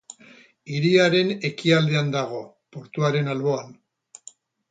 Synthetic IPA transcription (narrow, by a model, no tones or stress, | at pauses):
iɾiaɾe̞ne̞kiald̪e̞and̪aɣ̞o̞ | po̞ɾt̪uaɾe̞nalβo̞an